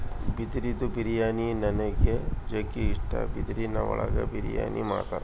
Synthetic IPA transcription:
bid̪ɾid̪ubiɾijaːninɐnɐɡed͡ʒekiiʂʈɐ̰bid̪ɾinɐʋɔɭɐɡɐ̰biɾija̰ːnimaːɽt̪a̰ːɾe

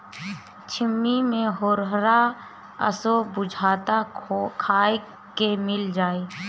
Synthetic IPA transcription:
t͡ʃʰɪmːimẽɦoːɾɦɾa | ə̰sobʊd͡ʒʱaːt̪akʰaːe | kemɪld͡ʒaːeː

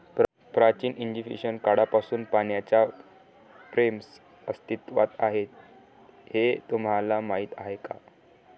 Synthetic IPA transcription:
p | pɾat͡ɕiːniɲd͡ʑiʋḭɕənkaɽapasuːnpaɳjat͡ɕja | fɾems | əst̪it̪ʋa̰t̪aɦet̪ | het̪umɦalamaɦit̪aɦeka̰

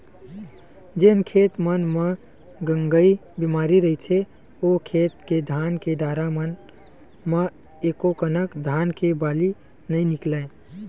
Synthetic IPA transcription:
d͡ʒenkʰeːt̪mənme | ɡəŋɡəi | bimaːɾiɾəit̪ʰe | okʰet̪ked̪ʱaːnkeɖaːɾamən | mə | eːkokənəkd̪ʱaːnkebaːli | nəĩnɪkle

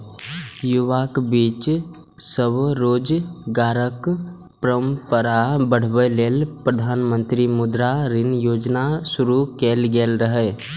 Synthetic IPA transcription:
juʋakbiːt͡ʃ | səbɾoːd͡ʒɡaːɾək | pɾəmpəɾabəɽ̤bɛleːlpɾəd̪ʱaːnmə̃nt̪ɾimʊd̪ɾaɾɪnjoːd͡ʒnasʊɾukeːlɡeːlɾəɦɛ

